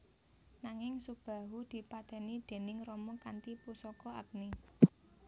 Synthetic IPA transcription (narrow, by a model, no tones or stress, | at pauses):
naŋɪŋsub̥ä̤ɦud̪̥i̤pat̪ɛnid̪̥e̤nɪŋrɔmɔkant̪ipusɔkɔak̚ni